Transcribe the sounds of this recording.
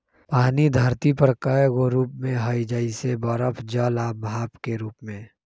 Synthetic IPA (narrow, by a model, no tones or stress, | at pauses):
paːnid̪ʱəɾt̪ipəɾkəɡoɾuːp̚mẽɦəid͡ʒəisebɔɾəpʰd͡ʒəlaːbʱaːpkeɾuːpmẽː